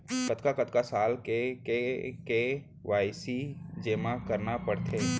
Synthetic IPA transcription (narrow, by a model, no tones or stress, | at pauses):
kɐt̪kakɐt̪kasaːlekeke | ʋaːɪsid͡ʒeːmakɐɾnapɐɽt̪ʰeː